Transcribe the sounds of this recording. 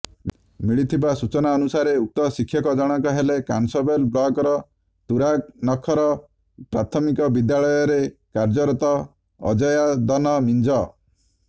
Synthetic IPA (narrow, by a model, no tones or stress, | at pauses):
miɭit̪ʰibasut͡ʃɔnaɔnusaɾeuk̚t̪ɔsikʰːjɔkɔd͡ʒɔɽ̃ɔŋkɔɦelekansɔbelblɔɡɔɾɔ | t̪uɾaɡnɔkʰɔɾɔ | pɾat̪ʰɔmikɔbid̪jaɭɔjɔɾekaɾd͡ʒɔɾɔt̪ɔ̰ː | d͡ʒɔjad̪ɔnɔmind͡ʒɔ